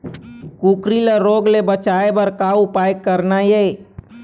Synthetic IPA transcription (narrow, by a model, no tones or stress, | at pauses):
kukɾiləɾoːɡlebət͡ʃaebəɾkaupajkːəɾnaje